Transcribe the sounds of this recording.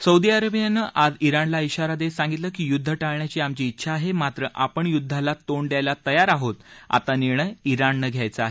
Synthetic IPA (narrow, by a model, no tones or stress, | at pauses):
səud̪iaɾəbijanəʔad͡ziɾanlaiɕaɾad̪esãŋɡit̪ləkiːjud̪ʱːəʈaɭɳjat͡ɕiːamt͡ɕiːtːɕʰaːɦemat̪ɾəʔapəɳjud̪ʱːalat̪oɳɖ̪jajlat̪əjaɾaɦot̪a̰t̪aniɾɳ̃əjiɾanːəɡʱjajt͡səaɦe